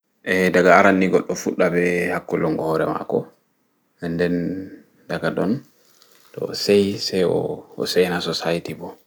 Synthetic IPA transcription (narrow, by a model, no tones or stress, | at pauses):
ʔɛdaɡaːɾanːiɡɔɗːɔfuɗːabɛhakːɔlɔŋɡɔhɔɾɛma̰kɔ | ɛndɛn | daɡadɔn | tɔsejsɛjɔ̰ɔ̰sɛjnasɔsajitibɔ